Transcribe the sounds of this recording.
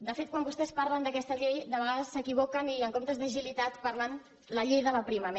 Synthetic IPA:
d̪əfet̪̚kwambust̪ɛspaɾlənd̪əkɛst̪əʎejd̪əβəɣaðəsːəkiβ̞okəniəŋkomt̪əzðəʒilit̪at̪pəɾlan | ləʎejðələpɾiməme

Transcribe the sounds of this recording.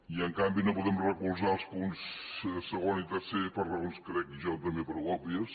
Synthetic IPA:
iəŋkambinopuðɛmrəkulˠzaəlˠspunssəɣonit̪əɾsepəɾrəonskɾɛkiʒɔt̪əmbepəɾwɔbiəs

